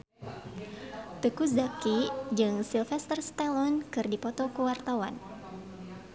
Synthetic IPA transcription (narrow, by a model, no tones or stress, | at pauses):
t̪əkus̬dakid͡ʒɨŋsilfɛst̪ərst̪alɔnkɨrdipɔt̪ɔkəwart̪awa̰n